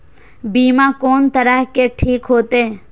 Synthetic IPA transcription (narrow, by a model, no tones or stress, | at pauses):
biːmãkoːnt̪əɾaɦkeʈʰiːkɦoːt̪e